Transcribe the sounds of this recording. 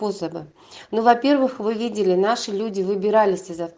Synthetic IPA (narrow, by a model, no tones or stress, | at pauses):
posəbɨ | nuvɐpʲe̞rvɨxvɨvʲidʲɪlʲɪnaʂɨlʲudʲɪvɨbʲɪɾalʲɪsʲɪzɐf